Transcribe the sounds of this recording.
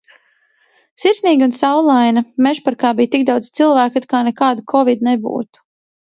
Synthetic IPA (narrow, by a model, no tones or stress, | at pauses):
siɾsniːɡʲunsawlˠajnɐmɛʃpaɾkaːbijt̪iɡ̚d̪awd̪z̥t̪silˠvæːkt̪ut̪̚kaːnɛkaːd̪kʰɔvid̪nɛbṵːt̪u̥